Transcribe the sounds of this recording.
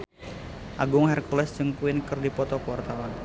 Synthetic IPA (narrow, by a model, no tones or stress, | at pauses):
ʔaɡʊŋhɛrkulɛst͡ʃəŋkuɪnkɨrdipɔt̪ɔkwart̪awan